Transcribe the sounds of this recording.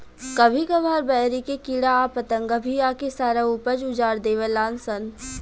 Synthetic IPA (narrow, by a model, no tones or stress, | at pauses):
kɐbʱikɐbʱaːɾbɛːɾikekiɽaːpət̪ə̃ŋɡɐbʱiaːkesaːɾaupəd͡ʒʊd͡ʒaːɾd̪eːʋəlaːnsən